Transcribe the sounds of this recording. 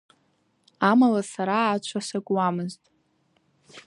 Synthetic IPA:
amalasaɾaːt͡ʃʷʰasaɡʷʼwamɨztʼ

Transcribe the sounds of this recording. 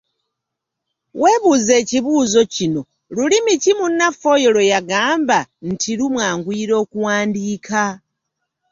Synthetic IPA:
we̞ːβuze̞ːciβuːzo̞cino̞ | lulimitimunːafo̞jo̞lojaɡaːmban̩tʰilumwaːŋɡwiːɾo̞ːkuwaːndiːkʰa

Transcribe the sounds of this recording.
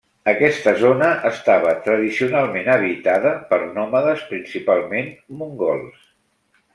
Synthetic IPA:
əkɛst̪əzonəʔəst̪aβ̞ət̪ɾəðisiunalˠmenəβ̞it̪aðəpəɾnɔməðəspɾinsipalˠmenmuŋɡɔlˠs

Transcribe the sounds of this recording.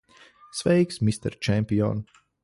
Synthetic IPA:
svɛiksmist̪ɛ̰ɾt͡ʃɛmpʲiɔ̰n

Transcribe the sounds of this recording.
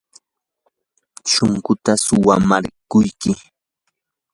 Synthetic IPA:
ʃoŋkʊt̪asʊwamaɾkʊjkɪ

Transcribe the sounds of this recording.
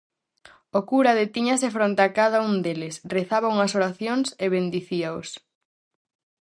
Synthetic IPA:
okuɾɐðet̪iɲɐsefɾont̪akaðaund̪elɪsreθaβauŋɐsoɾaθjoŋseβend̪iθiaos

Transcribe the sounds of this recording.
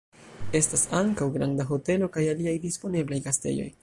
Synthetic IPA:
e̞stasaŋkawɡɾandaɦo̞te̞lo̞kajaliajdispo̞ne̞blajkaste̞̰ʎo̞̰j

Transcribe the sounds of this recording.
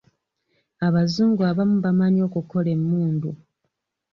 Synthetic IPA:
aβazuːŋɡuaβamuβamanio̞ːkuko̞le̞mːuːndu

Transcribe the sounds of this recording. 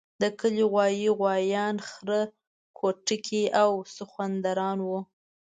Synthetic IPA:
d̪əkəliɣwɑjiɣwɑjɑnxɾə | kʰoʈəkʰiʔawsəxwand̪aɾɑnwu

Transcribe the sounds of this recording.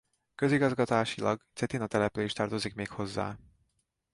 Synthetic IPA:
køziɡɒzɡɒt̪aːʃilʔɒɡt̪sɛt̪inɒt̪ɛlɛpyleːʃt̪ɒrt̪o̞zikmeːkho̞zːa̰ː

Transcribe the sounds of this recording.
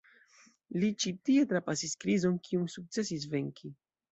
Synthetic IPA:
lit͡ʃitie̞tɾapasiskɾizo̞nkʰiunsuk̚t͡se̞sis̬ve̞ŋkʰi

